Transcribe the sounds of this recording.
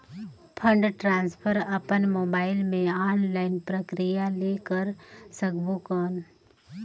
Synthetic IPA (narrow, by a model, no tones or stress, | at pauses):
pʰə̃ɳɖʈɾãːnspʰəɾɐpənmoːbaːɪlmẽaːnlaːɪnpɾəkɾijaleːkəɾsəɡbukɔːn